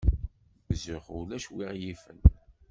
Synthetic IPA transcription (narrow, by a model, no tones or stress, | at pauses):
bzəχʊlæʃwiʁjifə̰n